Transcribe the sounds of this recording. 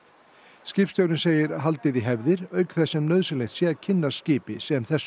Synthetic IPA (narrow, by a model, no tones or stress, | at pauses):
scɪːpst̪jowɾɪnseːjɪɾaɦalt̪ɪðiɦɛvðɪɾœːɥkθɛsɛmnœːɥðsɪlejht̪sjɛcʰɪnːascɪːpɪsɛmθɛs